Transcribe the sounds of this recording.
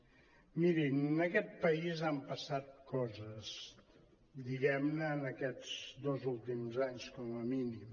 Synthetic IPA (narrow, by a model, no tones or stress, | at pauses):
miɾinnəkɛt̪̚pəizampəsat̪̚kɔzəz̥ | d̪iɣɛmnəːnəkɛd͡zd̪ɔzulˠt̪imzaɲskɔməminim